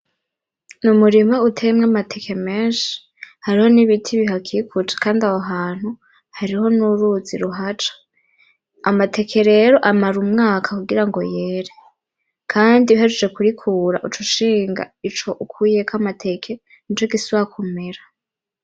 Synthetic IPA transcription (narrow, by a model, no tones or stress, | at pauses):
numuɾimautʰemŋamatʰe̞kʰe̞meːnʃi̥ | haɾiho̞niβitʰiβiɦakʰikʰut͡ʃḁkaːndiahoɦaːn̥hu | haɾiho̞nuɾuziɾuɦat͡ʃḁ | amatʰe̞kʰe̞ɾe̞ːɾo̞ʔamaɾumŋaːkʰḁkuɡiɾaŋɡo̞̰je̞ːɾe | kʰaːndiuɦed͡ʒed͡ʒe̞kuɾikʰuːɾa̰ʔut͡ʃuʃiːŋɡa̰it͡ʃo̞ʔukʰuːje̞kwamatʰe̞kʰe̞ | int͡ʃoɡisuakʰume̞ɾa